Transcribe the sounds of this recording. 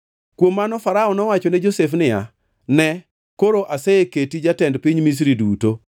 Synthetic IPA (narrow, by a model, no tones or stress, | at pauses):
kwomːanɔfaɾaɔnɔwat͡ʃɔnɛd͡ʒosefnɪja̰ | nɛ | koɾoʔaseeketid͡ʒatɛndpiɲmis̬ɾiduto